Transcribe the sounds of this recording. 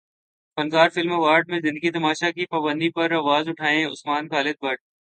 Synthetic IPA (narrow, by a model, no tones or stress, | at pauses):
fɐnkaːɾfɪlmeʋaːɾɖ̚mẽzɪ̃nd̪əɡit̪ɐmaːʃakipaːbə̃nd̪ipɐɾaːʋaːzʊʈʰaːẽʊ̰smaːnkaːlɪd̪̚bɐʈ̚